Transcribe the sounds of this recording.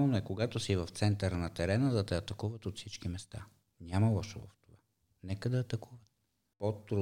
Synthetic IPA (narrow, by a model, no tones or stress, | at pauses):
noɛkoɡat̪osivɐft̪sɛnt̪əɾnɐt̪ɛɾɛnəd̪ɐt̪ɛɐt̪ɐkuvət̪ot̪fsit͡ʃkimɛst̪a | nʲaməlˠɔʃovɐ̰ft̪ova | nɛkəd̪ɐːt̪ɐkuvət̪̚ | pot̪ːɾu